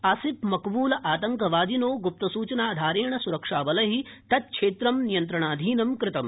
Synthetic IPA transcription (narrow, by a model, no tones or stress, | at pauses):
ɐsipmɐkbuːlɐʔaːt̪ɐŋkɐʋaːd̪inoːɡup̚t̪ɐsuːt͡ʃɐnaːd̪ʱaːɾeːɳɐsuɾɐkʂaːʋɐlɐɦit̪ɐt̪̚kʰʂeːt̪ɾɐmnijɐnt̪ɾɐɳaːd̪ʱiːnɐmkɾɪt̪ɐm